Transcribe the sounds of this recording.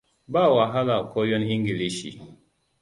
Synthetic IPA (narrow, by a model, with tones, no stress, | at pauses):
ba˦˨wa˨ɦa˦la˨kʰo˦jɔ˦ni˦ŋɡi˨li˦ʃḭ˨